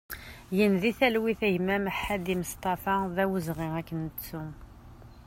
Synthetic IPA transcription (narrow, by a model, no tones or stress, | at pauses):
jənðiθælwiθæʝmæməħːad̪iməst̪ˤɑfɑðæwəzʁɪækːənət͡sːu